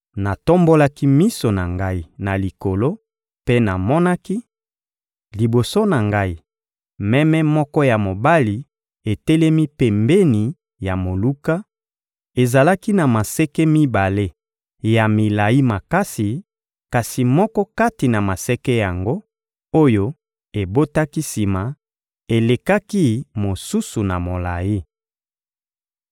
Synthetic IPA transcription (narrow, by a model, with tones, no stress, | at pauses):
na˨to˦mbo˦la˦ki˦mi˦so˨na̰˨ŋɡa˦i˦na˨li˨ko˨lo˦ | pe˦na˨mɔ˦na˦ki˦ | li˨bo˨so˦na˨ŋɡa˦i˨ | mɛ˦mɛ˦mɔ˦kɔ˦ja˨mo˨ba˦li˨ | e˨tɛ˦lɛ˦mi˦pɛ˨mbe˦ni˨ | ja˨mo˨lu˦ka˦ | e˨za˨la˦ki˦na˨ma˨sɛ˦kɛ˦mi˦ba˨le˦ | ja˨mi˨la˨ji˦ma˨ka˦si˨ | ka˨si˨mɔ˦kɔ˦ka˦ti˨na˨ma˨sɛ˦kɛ˦ja˨ŋɡo˦ | o˦jo˦ | e˨bo˦ta˦ki˦si˨ma˨ | e˨le˨ka˦ki˦mo˨su˦su˨na˨mo˨la̰˨ji˦